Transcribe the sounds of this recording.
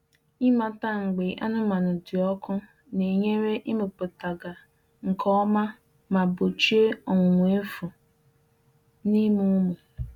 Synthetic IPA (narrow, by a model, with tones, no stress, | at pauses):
i˦ma˨ta˦˨ŋ̩˨ɡ͡be˨ʔa˦nʊ˦ma˨nʊ˨dɪ˨ɔ˦kʰʊ˦ | ne˨ɲe˦ɾe˦ʔɪ˦mɪ˨k͡pʊ˨ta˨ɡa˨ | ŋ̩˨kʰɔ˦ma˦ | ma˨bo˨t͡ʃi˦e˦ɔ˨ŋʷʊ˨ŋʷ˨˦e˦fʊ˨ | ni˦mu˦me˨